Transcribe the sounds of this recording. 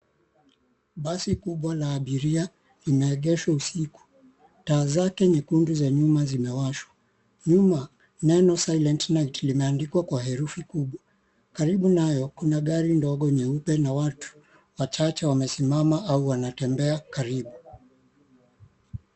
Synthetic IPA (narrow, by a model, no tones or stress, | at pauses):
ɓasikuɓwalaːɓiɾia | limɛːɠɛʃwausiku̥ | taːzakɛɲikunduzaɲumazimɛwaʃwa | ɲuma | nɛnɔsajlɛntnaitlimɛandikwakwaɦɛɾufikuɓwa | kaɾiɓunajɔkunaɠaɾindɔɠɔnɛupɛnawatʰu̥ | wat͡ʃat͡ʃɛwamɛsimamaauwanatɛmbɛakaɾiɓu